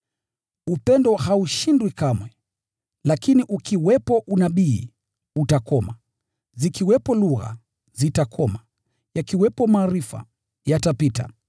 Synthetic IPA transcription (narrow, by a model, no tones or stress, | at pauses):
upɛndɔhauʃindwikamwɛ | lakiniʔukiwɛpɔʔunaɓiː | utakɔma | zikiwɛpɔluɣa̰ | zitakʰɔma | jakiwɛpɔmaːɾifa̰ | jatapita̰